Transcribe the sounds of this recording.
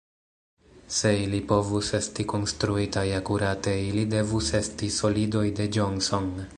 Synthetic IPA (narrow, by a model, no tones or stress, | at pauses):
se̞ilipo̞vuse̞stiko̞nstɾuitajakuɾate̞ilide̞vuse̞stiso̞lido̞jde̞d͡ʒonso̞n